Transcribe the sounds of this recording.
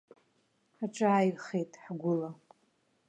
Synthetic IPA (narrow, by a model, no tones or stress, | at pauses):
ħaʈ͡ʂʼaajχejtʼħɡʷʊla